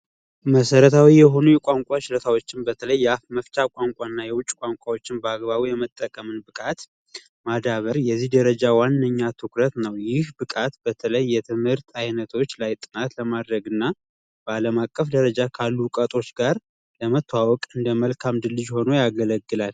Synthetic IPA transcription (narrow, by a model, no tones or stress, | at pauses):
məsəɾət̪ʰawijɛɦo̞nujɛkʷʼaŋkʷʼat͡ʃɪlət̪ʰawo̞t͡ʃːɪnbət̪ʰələjːɛafməft͡ʃakʷʼaŋkʷʼaɨnːajɛwʊt͡ʃʼkʷʼaŋkʷʼawo̞t͡ʃːɪnbəaɡbaβujɛmət̪ʼːəkʼəmɨnbɨkʼat̪ | mad̪aβəɾjɛzːihd̪əɾəd͡ʒawanːəɲːat̪ʰɨkɾət̪nəwjɪhbɨkʼat̪bət̪ʰələjːɛt̪ʰɨmhɨɾt̪ʰajnət̪ʰo̞t͡ʃːlajt̪ʼɨnat̪ləmad̪ɾəɡɨnːa | b̥əaləmakʼːəfd̪əɾəd͡ʒakʰalːukʼət̪ʼo̞t͡ʃːɡaɾ | ləmət̪ʰːwawɔkʼɨnd̪əməlkʰamd̪ɨlːɨd͡ʒho̞no̞jaɡələɡːɨlal